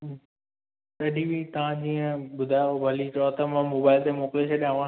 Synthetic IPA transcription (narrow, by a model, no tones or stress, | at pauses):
tɐɗibʱit̪ɐʋãd͡ʑiːə̃ɓʊd̪ʱaobʱɐlit͡ɕɔːt̪əmãmoːbaːɪlt̪emoːkɪleʃʰaɗjãːʋã